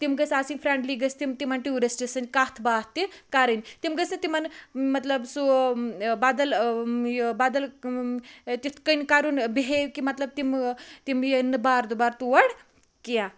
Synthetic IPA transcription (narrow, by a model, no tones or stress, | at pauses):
t̪imɡəsasinfʰɾeɳɖliːɡəst̪imt̪imanʈiuɾesʈisɐnkat̪ʰbaːt̪ːikaɾənʲt̪imɡəsnit̪imanmɐt̪ləbsu | bad̪ɐljbad̪ɐl | t̪it̪ʰkənʲkaɾunbiɦekimɐt̪ləb̚t̪imt̪imjənːbaːɾd̪ubaːɾt̪uʋɐɽ | kija